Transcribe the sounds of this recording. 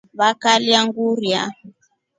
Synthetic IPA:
βakaliaŋɡuɾja̰

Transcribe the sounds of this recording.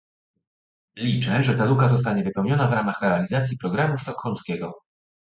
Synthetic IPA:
lʲit͡ʂɛʐɛt̪alukazɔs̬t̪aɲɛvɘpɛwɲɔnavɾamaxɾɛalʲizat̪sʲjipɾɔɡɾamuʂt̪ɔkxɔlmskʲɛɡɔ

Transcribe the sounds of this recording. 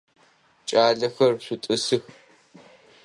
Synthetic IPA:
t͡ʃʼaːɮɐxɐrɕʷutʼɨsɨx

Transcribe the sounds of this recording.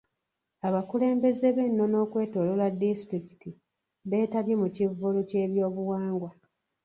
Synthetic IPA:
aβakule̞ːmbe̞zeβe̞nːo̞no̞ːkwe̞ːtoːloladːistɾiki̥ti | βe̞ːtaβjemucivːuluce̞ːβjo̞ːβuwaːŋɡwa

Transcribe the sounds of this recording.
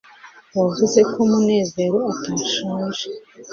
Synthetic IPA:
wavuze̞kʰomune̞ːze̞ɾoataʃaːʒe

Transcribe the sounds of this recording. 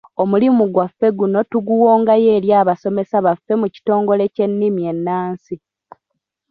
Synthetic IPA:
o̞mulimuɡwafːe̞ɡuno̞tuɡuwo̞ːŋɡaje̞ːɾjaːβaso̞me̞saβafːe̞muci̥to̞ːŋɡo̞le̞ce̞nːimie̞nːaːnsi

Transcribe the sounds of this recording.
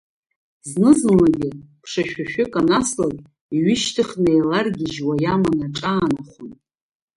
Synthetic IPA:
znɨzɨnlaɡʲɪpʰʂaʃᶣaʃᶣʏkʼanaslakʼ | iɥɪʃtʰɨχnejlarɡʲɪʒwajamanaʈ͡ʂʼaːnaχʷʊn

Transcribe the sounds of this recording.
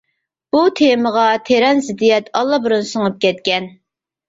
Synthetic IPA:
b̥ut̪ʰeməʁɑt̪ʰeɾɛnzɪd̪ijɛt̪ʰɑlˠːɑbuɾunsɨŋɨp̚kʲɛt̪kʲɛn

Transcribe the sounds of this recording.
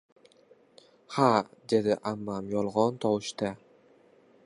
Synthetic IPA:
had̪e̞d̪ɪʔamːamjɒlˠʁɒnt̪ʰɒwɪʃt̪a

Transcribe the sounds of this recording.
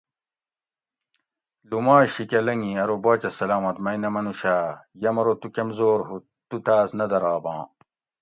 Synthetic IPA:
lumaːɕikɐlɐŋĩɐɾobaːt͡ɕɐsɐlaːmɐt̪mɐjnɐmɐnuɕaːjɐmɐɾot̪ukɐmzoːɾɦu | t̪ut̪aːsnɐd̪ɐɾaːbɑ̃ː

